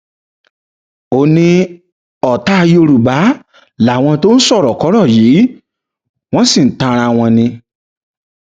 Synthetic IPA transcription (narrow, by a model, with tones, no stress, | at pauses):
o˦˨nĩ˧ | ɔ˨ta˦˧jo˧ɾu˨ba˨˦ | la˨w̃ɔ̃˧to˦n̩˦sɔ˦˨ɾɔ˨kɔ˨˦ɾɔ˦˨jiː˨˦ | w̃ɔ̃˦si˦˨n̩˨tã˧ɾ̃a˧w̃ɔ̃˧nĩ˧